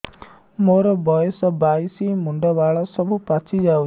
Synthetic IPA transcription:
moɾɔbɔjɔsɔbajsimuɳɖɔbaɭɔsɔbʱupat͡ʃʰid͡ʒaw

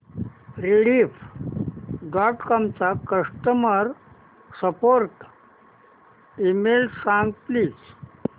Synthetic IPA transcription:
ɾiliːf | ɖɔʈkɔmt͡sakəʂʈəməɾ | səpoɾʈ | imelsãŋɡpliːs

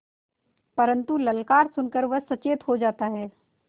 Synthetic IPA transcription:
pɐɾə̃nt̪ulɐlkaːɾsʊnkəɾʋɐsɐt͡ʃeːt̪ɦod͡ʒaːt̪aɦɛː

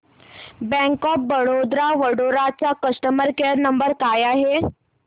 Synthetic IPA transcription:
bɛ̃ŋkɔp̚bəɽod̪ɾaʋəɽoɾat͡ɕakəsʈəməɾkeɾnəmbəɾkajaɦe

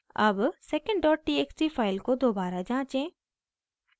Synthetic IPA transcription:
ɐbsɛkə̃ɳɖɖɔːʈ̚ʈiːeksʈifaːɪlkod̪oːbaːɾad͡ʒãːt͡ʃẽː

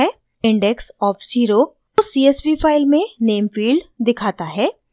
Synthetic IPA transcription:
ɛ | ɪ̃ɳɖɛksɔːfziːɾo | osiesbifaːɪlmẽneːmfiːɭɖd̪ɪkʰaːt̪aɦɛː

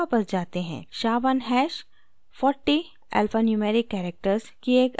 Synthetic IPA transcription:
apɐɾd͡ʒaːt̪eɦɛ̰̃ːʃaːʋənɦɛːʃ | fɔːɾʈːi | ɛ̰ːlfənjumeːɾɪkːɛːɾek̚ʈəɾzkieːk

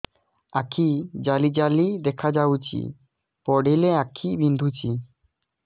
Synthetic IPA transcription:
akʰid͡ʑalid͡ʑalid̪ɛkʰad͡ʑawt͡ɕḭ | pɔɖeleakʰibind̪ʱut͡ɕi

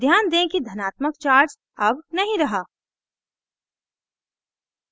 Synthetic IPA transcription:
d̪ʱjaːnd̪ẽkid̪ʱɐnaːt̪məkt͡ʃaːɾd͡ʒ | ɐbnɐɦĩɾɐɦaː

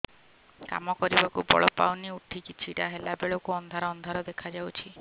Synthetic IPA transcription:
ka̰mɔkɔɾibakubɔ̰ɭɔpawniuʈʰikit͡ʃʰiʈaɦelabeɭokuɔnd̪ʱaɾɔːnd̪ʱaɾɔd̪ekʰad͡ʒawt͡ʃʰi

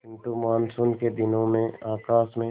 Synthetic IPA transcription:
kɪ̃nʈ̪umaːnsʊnked̪ɪnõmẽaːkaːsmẽ

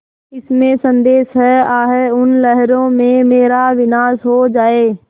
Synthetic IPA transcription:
ɪsmẽsɐ̃nd̪eːʃɦɛaːɦeʊnlɛɦɾõmẽmeːɾaʋɪnaːsɦod͡ʒaːeː

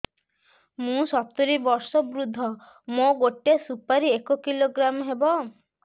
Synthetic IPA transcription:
mũsɔt̪ɔɾibɔɾsɔbɾud̪ʱːɔ | moɡoʈesupaɾiekokiloɡɾamɦebɔ

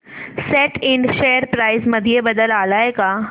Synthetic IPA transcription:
seːʈɪ̃ɳɖʃeːjəɾpɾaːɪzmɐd̪ʱijebɐd̪əlaːlaːekaː

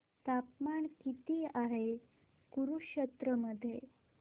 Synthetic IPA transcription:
t̪apmaɳkit̪iːaɦe | kuɾuɕət̪ɾəməd̪ʱːje

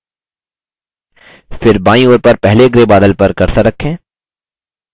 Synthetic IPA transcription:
fɪɾbaːĩoːɾpɐɾpɛɦleɡɾebaːd̪əlpɐɾkɐɾt̪aɾɐkʰːẽː

